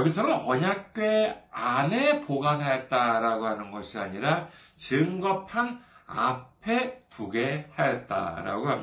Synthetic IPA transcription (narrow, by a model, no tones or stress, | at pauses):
jʌɡis̬ʰʌnɯnʌɲak̚k͈ɥe̞ane̞poɡanɦajʌt̚t͈aɾaɡoɦanɯnɡʌɕʰiaɲiɾa | t͡ɕɯŋɡʌpʰana̰pʰe̞tuɡe̞hajʌt̚t͈a̰ɾa̰ɡoɦam